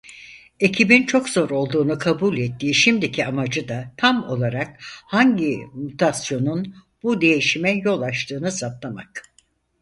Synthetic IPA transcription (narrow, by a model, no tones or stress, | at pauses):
e̞cʰibint͡ʃʰo̞kz̥o̞ɾo̞lˠd̪uːnukʰabulʲɛt̪ʰːiːʃimd̪icʰiamad͡ʒɯd̪at̪ʰamo̞lˠaɾak̚haɲɟimut̪ʰasjo̞nun | bud̪e̞jiʃimɛjo̞lˠat͡ʃt̪ʰɯːnɯsapt̪lˠamak